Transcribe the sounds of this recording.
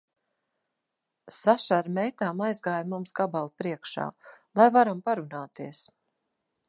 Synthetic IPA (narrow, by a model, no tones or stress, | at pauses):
saʃaɾmɛjt̪aːmajzɡaːjmumsɡabalˠpɾiɛkʃa̰ːlˠajvaɾampaɾunaːt̪iɛs